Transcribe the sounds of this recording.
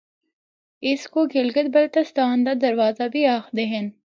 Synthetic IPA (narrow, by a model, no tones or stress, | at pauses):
ɪskoɡɪlɡət̪̚bɐlt̪ɐst̪aːnd̪ad̪ɐɾwaːzabʱiaːxd̪eɦən